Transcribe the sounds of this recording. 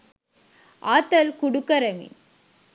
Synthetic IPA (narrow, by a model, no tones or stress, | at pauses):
ʔaːt̪ːɐlkʊɽʊkːɐɾɐmḭ